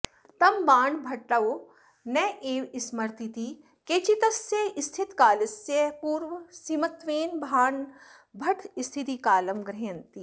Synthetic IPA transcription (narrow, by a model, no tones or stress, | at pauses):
t̪ɐmbaːɳɖbʱɐʈːɐo | nɛʔeːʋismɐɾt̪it̪i | keːt͡ʃit̪ɐsjɐist̪ʰit̪kaːlɐsjɐkuːɾʋsimɐt̪ʋeːnbʱaːɳ | bʱɐʈʰist̪ʰit̪ikaːlɐmɡɾeːnt̪i